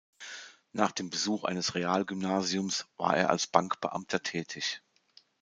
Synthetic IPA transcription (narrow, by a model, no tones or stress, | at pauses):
naːχd̥eːmbəzuːχʔa̰ɪnəsʁeaːlɡʏmnaːziʊmsv̥a̰ːɐʔeːɐʔa̰lsb̥aŋkb̥əʔa̰mtʰɐtʰɛːtʰɪç